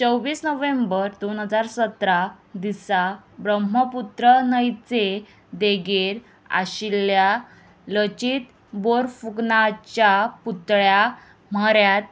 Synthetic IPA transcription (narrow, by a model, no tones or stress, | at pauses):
t͡səwʋiːsnəʋẽmbəɾd̪onɦəd͡zaɾsət̪ɾad̪isabɾəmɦəput̪ɾənəjt͡se | d̪eɡeɾ | a̰ɕilja | lət͡ɕit̪ | boɾfuknat͡ɕaput̪ɭja | m̤əɾjat̪̚